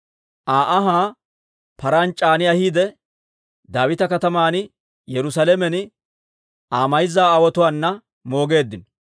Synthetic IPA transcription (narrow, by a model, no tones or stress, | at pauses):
ʔaːʔɐɦaː | pɐɾɐnt͡ʃʼaːnɪɐhiːd̪ɛ | d̪aːwɪt̪ɐkɐt̪ɐmaːnɪ | jɛɾʊsɐlemɛnɪ | ʔaːmɐjzaːwɔt̪ʊwaːnːɐ | mo̞ːɡe̞ːd̪ːɪnɔ